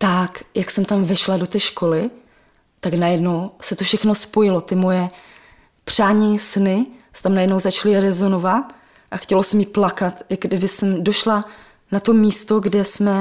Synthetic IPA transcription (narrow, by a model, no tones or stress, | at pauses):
t̪akjaksɛmt̪amvɛʃlado̞t̪ɛːʃkʰo̞lɪ | t̪aknajɛdno̞wsɛt̪ofʃɛxno̞spo̞jɪlo̞t̪ɪmo̞jɛ | pr̝̥aːɲisnɪsɛ̥t̪amnajɛdno̞wzat͡ʃalɪɾɛzo̞no̞vat̪̚ | ʔaxcɛlo̞sɛmjiːplakat̪ɪɡdɪbɪsɛmdo̞ʃla | nat̪o̞miːst̪o̞ɡdɛsmɛ